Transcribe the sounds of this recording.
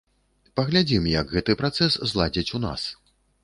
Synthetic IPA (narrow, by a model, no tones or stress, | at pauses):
pɐɣlʲad͡zʲimjɐɡɣɛt̪ɨpɾat̪sɛszlˠad͡zʲit͡sʲuna̰s